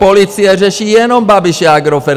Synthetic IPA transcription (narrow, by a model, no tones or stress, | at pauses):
pɔliːt͡siɛʒɛʃiːjɛnɔmbabiʃɛaɡɾɔfɛ